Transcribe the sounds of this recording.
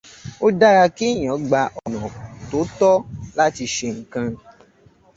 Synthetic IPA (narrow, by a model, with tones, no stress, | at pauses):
o˦da˦ɾa˧ki˦˨j̃ɔ̃˨˦ɡ͡ba˧ʔɔ˨nɔ̃˨to˨˦tɔ˦la˦ti˧ʃe˧ŋ̩˨kã˧